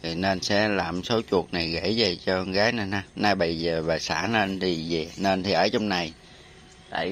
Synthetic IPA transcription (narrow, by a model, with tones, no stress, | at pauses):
t̪ʰi˨˩ne˧nsɛ̰˧˥laː˨˩mso˨˦t͡ɕu˨˩ək̚na˨˩jɣe˧˩ze˨˩t͡ɕɔ˧ɣaː˨˦jna˨˩jɦaː˧˦naː˧jɓə˧jzəː˨˩ɓaː˨˩sa̰ː˧˩˥ne˧nt̪ʰi˨˩ze˨˩ne˧nt̪ʰi˨˩ʔəː˧˩˦t͡ɕɔ˧wŋ͡mna˨˩j | t̪a̰ː˧˨j